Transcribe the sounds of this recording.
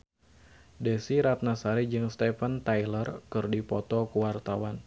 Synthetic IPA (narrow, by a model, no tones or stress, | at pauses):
desiɾat̪̚nasaɾid͡ʒɨŋst̪ɛfənt̪ajlərkɨrdipɔt̪ɔkuwart̪awan